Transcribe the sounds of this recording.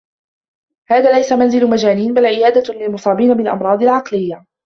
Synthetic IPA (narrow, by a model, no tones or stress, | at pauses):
haːðaːlajsamanzɪlʊmad͡ʒaːniːnbalʕɪjaːd̪alɪlmʊsˤɑːbiːnabɪlʔɑ̰mɾˤɑːd̪ˤɪlʕɑqlɪjːa